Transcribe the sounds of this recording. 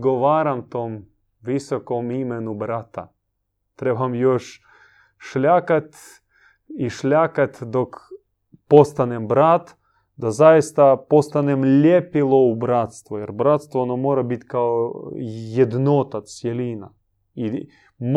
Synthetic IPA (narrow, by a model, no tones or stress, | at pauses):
ɡoʋaːɾamt̪oːm | ʋisokomimenubɾat̪a̰ | t̪ɾebamjoʃ | ʃlʲakat̪ | iʃlʲakat̪ʲd̪ok | post̪anembɾat̪ | d̪azajist̪apost̪anemlʲepilˠoubɾat̪st̪ʋujɛɾbɾat̪st̪ʋoonomoːɾabit̪ʲkao | jed̪not̪asjelina | i | m